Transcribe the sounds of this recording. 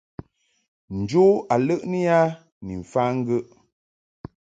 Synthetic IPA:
n̩˨d͡ʒo˦a˨lə˦ʔni˦ja˦ | ni˨ɱ̩˨fa˦ŋ̩˦ɡə˦ʔ

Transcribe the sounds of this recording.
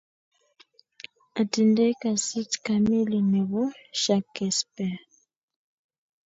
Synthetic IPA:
a˨ti˨ndɛ˦ka˨si˦tka˦me˦li˨nɛ˨βu˦ʃa˨kːɛ˨spɛ˨

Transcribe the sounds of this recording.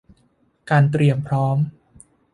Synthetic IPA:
kaː˧nt̪ɾi˧əmpʰɾɔː˦˥m

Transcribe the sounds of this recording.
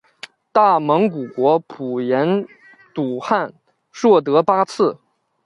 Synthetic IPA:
t̪a˥˩mɤ˧˥ŋku˨˩kwɔ˧˥pʰu˨˩jɛ˧˥n | t̪u˨˩xa˥˩˧n | ʂwɔ˥˩t̪̬ɤ˧˥pa˥t͡sʰɹ̩˥˩

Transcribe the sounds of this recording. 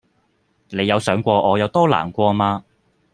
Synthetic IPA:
ne˨˧jɐ˨˧wsœː˨˥ŋkʷɔː˧ʔɔː˨˧jɐ˨˧wt̪ɔː˥la̰ː˨˩nkʷɔː˧maː˧

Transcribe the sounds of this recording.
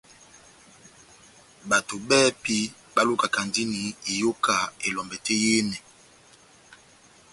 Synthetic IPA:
ba˨to˨bɛ˦pi˦ | ba˦lu˦ka˨ka˨ndi˦ni˨i˨jo˦ka˨e˨lɔ˨mbɛ˨tɛ˦je˦nɛ˨

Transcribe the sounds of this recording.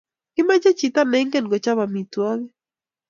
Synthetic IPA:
kɪ˦ma˦d͡ʒe˦t͡ʃi˨t̪a˦nɛ˦ŋɡe˦nɡɔ˨t͡ʃa˦βa˨mi˨twa˦ɡɛ˦

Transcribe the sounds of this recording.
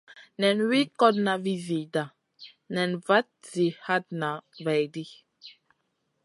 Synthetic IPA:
nɛ̃˨nwi˦kɔ˦dna˨vi˦zi˨da˨ | nɛ̃˨nva˦t̚z̥i˨ha˦d̚na˨va˨jdi˦

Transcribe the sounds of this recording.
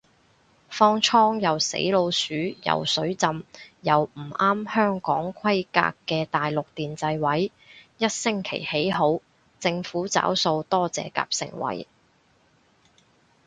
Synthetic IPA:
fɔː˥ŋt͡ʃʰɔː˥ŋjɐ˨˩wsḛ˨˥jlo˧wsyː˨˥jɐ̰˨˩wsɵ˨˥ɥt͡sɐ˧mjɐ˨wm̩˨˩ʔaː˥mhœː˥ŋkɔː˨˥ŋkʰɐ˥jka̰ː˧kːɛː˧t̪aː˨jlʊ˨k̚t̪iː˨nt͡sɐ˧jwɐ˨˥j | jɐ˥t̚sɪ˥ŋkʰḛ˨˩jhe˨˥jɦo˨˥w | t͡sɪ˧ŋfuː˨˥t͡sa̰ː˨˥wso˧wt̪ɔː˥t͡sɛ̰ː˨ka̰ː˧p̚sɪ̰˨˩ŋwɐ̰˨˥j

